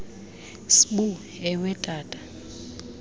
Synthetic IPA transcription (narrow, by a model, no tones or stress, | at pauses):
sɓu | ɛwɛtʼaːtʼḁ